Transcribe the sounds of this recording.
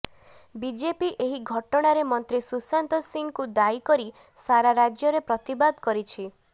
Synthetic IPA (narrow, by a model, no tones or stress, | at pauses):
bid͡ʒepiʔeɦiɡʱɔʈɔɽ̃aɾemɔnt̪ɾisusant̪ɔsiŋɡkud̪ajikɔɾi | saɾaɾad͡ʒjɔɾepɾɔt̪ibad̪kɔɾit͡ʃʰi